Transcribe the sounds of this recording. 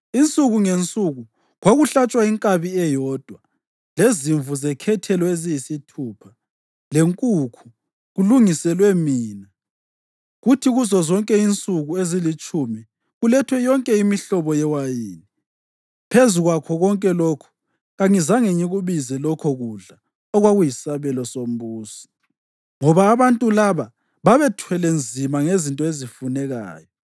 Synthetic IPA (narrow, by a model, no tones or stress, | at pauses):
int͡sʼuɣuŋent͡sʼuɣu | ɣwaɣuɬat͡ʃʼwaiŋkʼaβiɛjɔːd̥ʱwa | leziɱvuzɛkʰɛtʰɛlɔezijisitʰuːpʰa | leŋkʼukʰu̥ | ɣuluŋisɛlwɛmiːna | ɣutʰiɣuzɔzɔŋkʼɛint͡sʼuɣuezilit͡ʃʼumi | ɣulɛtʰwɛjɔŋkʼɛimiɬɔβɔjɛwajiːni | pʰezuɣwakʰɔɣɔŋkʼɛlɔkʰu̥ | ɣaŋizaŋeɲiɣuβizɛlɔkʰɔɣuɮa | ɔɣwaɣujisaβɛlɔsom̩buːsi̥ | ŋɔβaːβantʼulaβa | βaβɛtʰwɛlend͡zʱimaŋezintʼɔezifunɛɣa̰ːjɔ